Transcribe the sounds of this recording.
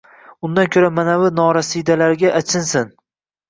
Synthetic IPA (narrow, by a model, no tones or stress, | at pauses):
ʊnd̪ankʰʲɵɾamanavɪnɒɾasid̪alaɾɡʲaʔat͡ʃʰɪnsɪn